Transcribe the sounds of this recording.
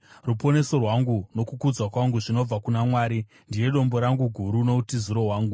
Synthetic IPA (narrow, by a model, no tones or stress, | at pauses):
rupo̞ne̞so̞rwaŋɡuno̞kukud͡zwakwaŋɡuʐino̞b͡vakunamwaːɾi | ndije̞ɗo̞mbo̞ɾaŋɡuɡʱuɾuno̞utizuɾo̞waːŋɡu